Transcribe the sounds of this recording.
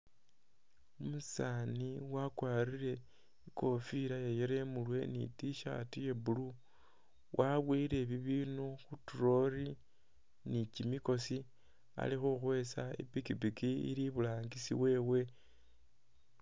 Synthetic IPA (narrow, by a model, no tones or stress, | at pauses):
umusaniwakwaɾiɾe̞ | iko̞fiɾajejeɾemulwe̞nḭtiʃa̰tuje̞bulu | wʔaβwiːɾe̞βiβiːnuxutuɾo̞ɾi | nicimiko̞si | a̰lixuxwe̞saḭpikipikiḭɾiβulaːŋɡisḭβwe̞ːwe̞